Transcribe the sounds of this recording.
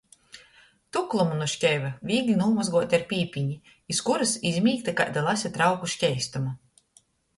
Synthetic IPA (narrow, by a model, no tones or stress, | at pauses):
t̪uklˠumunuʃcʲɛjvavʲiːɡlʲinulˠmazɡuɔt̪ʲaɾpʲiːpʲiɲiː | skuɾɨsizʲmʲiːkt̪aka̰jd̪alˠasʲɛt̪ɾawkuʃʲkʲɛjst̪uma